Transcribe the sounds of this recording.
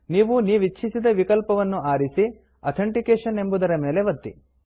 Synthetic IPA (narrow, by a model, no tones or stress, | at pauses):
niːʋuniːʋit͡ʃʰːisid̪ɐʋikɐlpɐʋɐnːuaːɾisi | ɐt̪ʰɐɳʈikeːʂɐne̞mbud̪ɐɾɐme̞ːle̞ʋɐt̪ːḭ